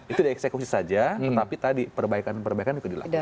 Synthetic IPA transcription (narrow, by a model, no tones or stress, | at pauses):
it̪udaɛksekusisad͡ʒat̪ət̪apit̪adipərbaikanpərbaikand͡ʒukadila̰